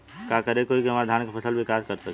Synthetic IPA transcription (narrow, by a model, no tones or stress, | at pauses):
kakəɾekoikeɦəməɾd̪ʱankepʰəsəlbʱikaskəɾsək